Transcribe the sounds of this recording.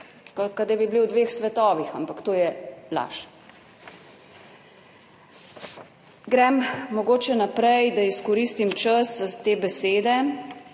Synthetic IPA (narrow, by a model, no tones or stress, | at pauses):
kɔkad̪abibliwd̪ʋeːxsʋɛt̪ɔːʋixampakt̪oːjɛla̰ːʃ | ɡɾɛmmɔɡoːt͡ʃɛnapɾɛjd̪aiskɔɾiːst̪imt͡ʃəst̪eːbɛseːd̪ɛ